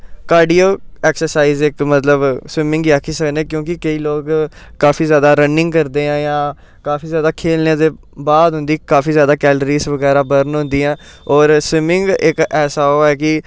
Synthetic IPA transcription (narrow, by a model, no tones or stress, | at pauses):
kaːɾɖiːoːɛːksəɾsaːiːzɪkmət̪ləbswɪmɪ̃ŋɡiːakʰiːsəknẽːkjõːkɪkəiːloːɡkːaːfʰiːzjaːd̪aːɾənɪ̃ŋɡkəɾd̪eːãːjãː | kaːfiːzjaːd̪aːkʰeːlneːd̪eː | baːd̪ɦʊ̃nd̪iːkaːfiːzjaːd̪aːkɛːlɾiːsʋəɡɛːɾaːbəɾənɦʊ̃nd̪iːãː | ɔːɾswɪmɪŋɡɪkɛːsaːoːɛːkɪ